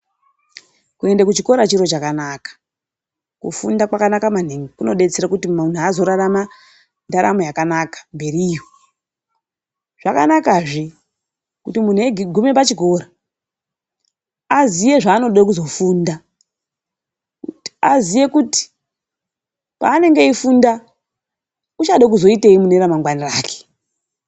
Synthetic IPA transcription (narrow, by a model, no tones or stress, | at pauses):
kue̞ndekut͡ʃiko̞ɾat͡ʃiɾo̞t͡ʃakanakḁ | kṵfundakwakanakamaniŋikuno̞ɗe̞t͡seɾakutimun̤uaːzo̞ɾarama | ndaɾa̰mo̞jakanakḁmbe̞riːjo | ʐ̥aka̰nakaʐi | kutimun̤ueɡʱume̞p̬at͡ʃiɡʱo̞ɾa | azije̞ʐaːno̞ɗakuzo̞fuːnda | azije̞kuti̥ | pa̰ːne̞ŋɡe̞ifunda | ut͡ʃaɗak̬uzo̞iteimuneɾamaŋɡwaniraːke̥